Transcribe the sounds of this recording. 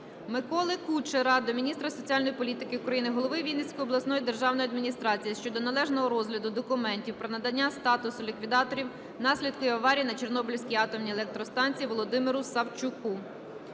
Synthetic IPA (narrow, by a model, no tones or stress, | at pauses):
mɪkɔlˠɪkut͡ʃeɾɑd̪ɔmʲinʲist̪ɾɐsɔt͡sʲiɑalʲnɔjipɔlʲit̪ɪkɪukɾɐjinɪɦɔlˠɔʋɪʋʲilʲnesʲkɔjɔblˠɐsnɔjid̪e̞rʒɑwnɔjɐd̪mʲinʲist̪ɾɑt͡sʲijiʃt͡ʃɔd̪ɔnɐlˠɛʒnɔɦɔɾɔzɦlʲɐd̪ʊd̪ɔkʊmɛnʲtʲiwpɾɔnɐd̪ɐnʲːast̪ɑt̪ʊsʊlʲikʋʲid̪ɑt̪ɔɾʲiw | nɑsʲlʲid̪̚kʊjiɐʋɑɾʲijinɐt͡ʃernɔbɪlʲsʲkʲiɑt̪ɔmnʲielˠɛk̚t̪ɾɔst̪ɑnʲt͡sʲijiʋɔlˠɔd̪ɪmɪɾʊsɐwt͡ʃʊku